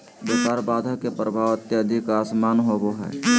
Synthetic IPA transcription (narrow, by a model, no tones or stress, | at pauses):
b̪okaːɾbaːd̪ʱəkepɾəbʱaːʋət̪jəəd̪ʱikaːsmaːnɦoboɦɛ̰ː